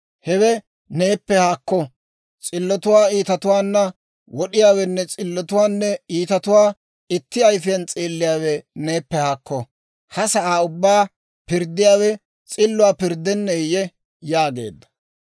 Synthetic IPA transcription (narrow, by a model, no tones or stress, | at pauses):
hɛwɛ | ne̞ːpːɛhaːkːɔ | t͡sʼɪlːɔt̪ʊwaːiːt̪ɐt̪ʊwaːnːɐ | wɔɗɪjaːwɛnːɛt͡sʼɪlːɔt̪ʊwaːnːɛiːt̪ɐt̪ʊwaː | ɪt̪ːɪɐjfɪjɐnt͡sʼiːlːɪjaːwɛne̞ːpːɛhaːkːɔ | hɐsɐʔaːʊbːaː | pɪɾd̪ːɪjaːwɛ | t͡sʼɪlːʊwaːpɪɾd̪ɛnːɛjɛ | jaːɡe̞̰ːd̪ːɐ̥